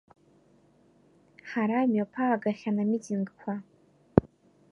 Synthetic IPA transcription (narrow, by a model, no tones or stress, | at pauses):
ħaɾamɥapʰaːɡaχʲanamitʰiŋɡkʷʰa